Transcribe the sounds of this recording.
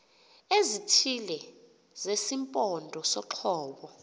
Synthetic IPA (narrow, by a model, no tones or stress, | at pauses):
ezitʰilɛ | zesimpʼɔndʱɔsɔǁʰɔːɓɔ